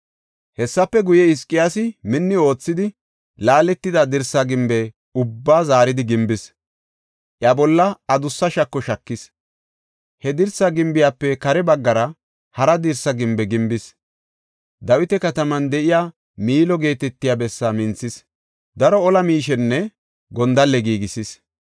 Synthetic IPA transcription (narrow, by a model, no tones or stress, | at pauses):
hɛsːɐpːɛɡʊjɛɪskʼːɪjaːsɪmɪnːɪo̞ːt͡sːɪd̪ɪ | laːlɛt̪ːɪd̪ɐd̪ɪɾsɐɡɪmbɛ | ʊbːaːzaːɾɪd̪ɪɡɪmbɪs | ʔjabɔlːɐɐd̪ʊsːɐʃɐkːɔʃɐkːɪs | hɛd̪ɪɾsɐɡɪmbɪjaːpːɛkɐɾɛbɐɡːɐɾɐ | hɐɾɐd̪ɪɾsɐɡɪmbɛɡɪmbɪs | d̪ɐwɪt̪ɛkɐt̪ɐmɐnd̪ɛʔɪjaː | miːlɔɡe̞ːt̪ɛt̪ːɪjaːbɛsːamɪnt͡sːɪs | d̪ɐɾɔɔlɐmiːʃɛnːɛ | ɡɔnd̪ɐlːɛɡiːɡɪsɪs